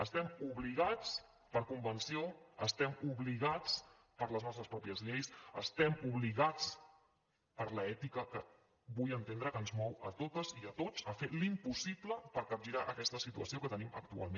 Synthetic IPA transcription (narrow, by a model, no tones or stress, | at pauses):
əst̪ɛmuβliɣ̞at͡s | pəɾkumbənsioəst̪ɛmuβliɣ̞at͡s | pəɾləznɔst̪ɾəspɾɔpiəzʎejsəst̪ɛmuβliɣat͡s | pəɾləɛt̪ikəkə | βujənt̪end̪ɾəkənzmɔwət̪ot̪əziət̪ot͡səfelimpusipləpəɾkəʒiɾaʔəkɛst̪əsit̪uəsiokət̪ənimə̰k̚t̪ua̰lˠme